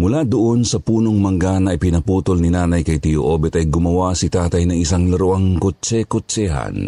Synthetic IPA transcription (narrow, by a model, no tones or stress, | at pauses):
mʊlad̪oʔonsɐpuːnoŋmɐŋɡanɐʔipɪnɐpuːt̪olnɪnaːnɐjkɐjt̪ijoʔobɛt̪ɐjɡʊmɐwasɪt̪aːt̪ɐjnɐŋɪsaŋlɐɾʊʔaŋkot͡ʃɛkot͡ʃɛɦa̰n